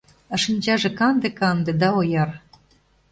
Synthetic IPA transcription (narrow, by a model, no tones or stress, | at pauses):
ɑʃənʲd͡ʑɑʒĕkɑnd̪ĕkɑnd̪ĕd̪ɑojɑr